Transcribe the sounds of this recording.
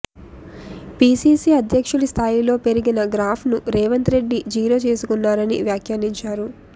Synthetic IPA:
piːsiːsiːɐd̪ʱjɐkʂulust̪ʰaːjilo̞ːpe̞ɾiɡinɐɡɾaːpʰnuɾɛːʋɐnt̪ɾe̞ɖːid͡ʒiːɾo̞ːt͡ʃe̞ːsukunːaːɾɐnḭʋjaːkʰjaniɲt͡ʃaːɾu

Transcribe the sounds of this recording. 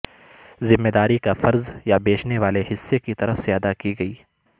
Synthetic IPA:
zɪmːed̪aːɾikafɐɾzjabeːt͡ʃneʋaːleɦɪsːekit̪ɐɾəfseɐd̪akiɡɐiː

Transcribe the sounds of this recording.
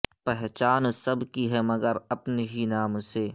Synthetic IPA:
pɛɦt͡ʃaːnsɐbkiɦɛmɐɡəɾɐpneɦinaːmse

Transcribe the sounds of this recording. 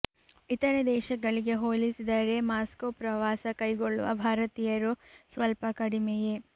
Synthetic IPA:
it̪ɐɾɐd̪ɛːʃɐɡɐɭiɡe̞ɦoːlisid̪ɐɾe̞maːskopɾɐʋaːsɐkɐjɡoɭːṵʋɐ̰bʱaːɾɐt̪iːjɐɾusʋɐlpɐkɐɽimɛje

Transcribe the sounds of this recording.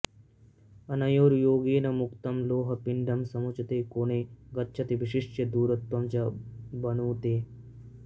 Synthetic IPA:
ɐnɐjoːɾjoːɡiːnɐmukt̪ɐmloːɦɐpiɳɖəmsɐmut͡ʃʰt̪eːkoːɽ̃eːɡɐtːʃʰɐt̪iʋiɕiʂʈjəd̪uːɾɐt̪ʋamt͡ɕjabɐnuʋt̪eː

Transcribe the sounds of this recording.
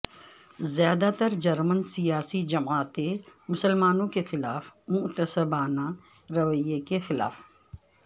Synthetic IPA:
zjaːd̪at̪ɐɾd͡ʒɐɾmənsijaːsid͡ʒɐmaːt̪emʊsəlmaːnõkexɪlaːfmʊt̪əsəbaːnã | ɾɐʋəjːekexɪla̰ːf

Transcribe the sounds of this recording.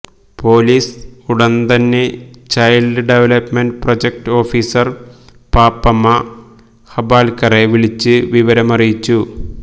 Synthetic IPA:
po̞ːliːsuɽɐnt̪ɐnːet͡ɕɐjlɖɨɖeʋelɐpmeɳɖprod͡ʑek̚ʈo̞ːfiːsɐr | paːpːɐmːɐ | hɐbaːlkɐreʋiɭit͡ɕːɨʋiʋɐɾɐmɐrijit͡ɕːu

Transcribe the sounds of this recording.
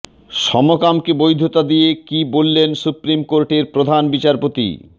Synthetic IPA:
ʃɔmokamkebojd̪ʱot̪ad̪ijekibolːensupɾimkoɾʈeɾpɾod̪ʱanbit͡ɕaɾpot̪ḭ

